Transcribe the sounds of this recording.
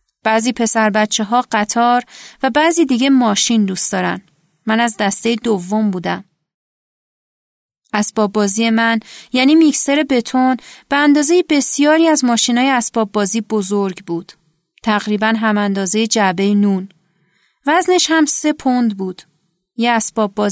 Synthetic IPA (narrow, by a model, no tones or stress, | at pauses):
b̥æziːpʰe̞sæɾbæt̪t͡ʃʰːeɦɒːɢæt̪ʰɒːɾvæbæziːd̪iːɟe̞mɒːʃind̪uːst̪ɒːɾæ̰nd̪ | mænæzd̪æst̪ejed̪ovːo̞mbuːd̪æm | ʔæsb̥ɒːbːɒːziːjemænjæːniːmicse̞ɾe̞be̞t̪ʰonb̥eænd̪ɒːze̞jebe̞sijɒːɾiːæzmɒːʃiːnɒːjeæsb̥ɒːbːɒːziːbo̞zo̞ɾɟbuːd̪̥ | t̪ʰæɣɾiːbænɦæmænd̪ɒːze̞jed͡ʒæbe̞jenuːn | væzne̞ʃhæmse̞pʰond̪buːd̪̥ | jeæsb̥ɒːbːɒː